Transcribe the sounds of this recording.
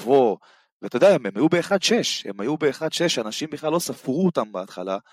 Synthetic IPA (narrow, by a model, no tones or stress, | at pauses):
vo | vet̪odeaememajubeːχad̪ʃeʃhḛmajubeːχad̪ʃeʃanaʃimbiχlalːo̞safʁuot̪ambaat̪χa̰la